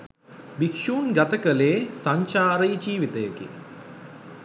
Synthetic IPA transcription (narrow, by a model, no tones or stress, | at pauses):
bikʂuːnɡat̪əkəleːsaɲt͡ʃaːɾəid͡ʒiːʋit̪əjəkḭ